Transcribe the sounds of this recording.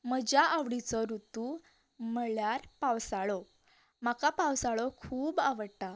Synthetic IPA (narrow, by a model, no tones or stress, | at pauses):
məd͡ʑaʔaʋɽit͡sɔɾut̪u | məɭjaɾpawsaɭɔ | makapawsaɭɔkʰuːbaʋəɽta